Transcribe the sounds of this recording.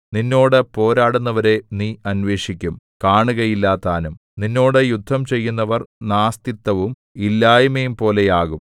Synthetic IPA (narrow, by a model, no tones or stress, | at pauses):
ninːo̞ːɽɨpo̞ːɾaːɽunːɐʋɐɾe̞niːɐnʋe̞ːʂikʲːum | kaːɳuɣɐjilːaːt̪ːaːnum | ninːo̞ːɽɨjud̪ʱːɐmt͡ɕe̞jːunːɐʋɐrnaːst̪it̪ːɐʋum | ilːaːjumejumpo̞ːle̞jaːɣum